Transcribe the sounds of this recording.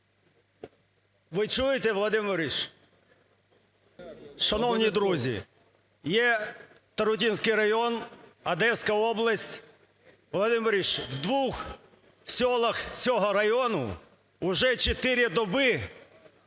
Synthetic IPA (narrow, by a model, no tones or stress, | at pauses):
ʋɪt͡ʃujɪt̪ɛʋlˠɐd̪ɪmɪɾʲiʃ | ʃɐnɔwnʲid̪ɾuzʲḭ | jɛ | t̪ɐɾʊt̪ʲinsʲkɪjɾɐjɔnɐd̪ɛsʲkɐɔblˠɐsʲtʲ | ʋlˠɐd̪ɪmɪɾʲiʃwd̪ʋux | sʲɔlˠɐxt͡sʲɔɦɔɾɐjɔnʊ̰ | ʊʒɛt͡ʃet̪ɪɾʲɪd̪ɔbɪ